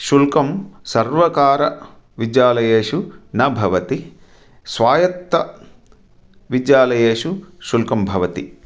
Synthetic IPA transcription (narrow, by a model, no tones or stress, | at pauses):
ʃulkɐmsɐɾʋɐkaːɾɐ | ʋid͡ʒjaːlɐjeːʃunɐbʱɐʋɐt̪i | sʋaːjɐt̪ːɐ | ʋid͡ʒjaːlɐjeːʂuʃulkɐmbʱɐʋɐt̪i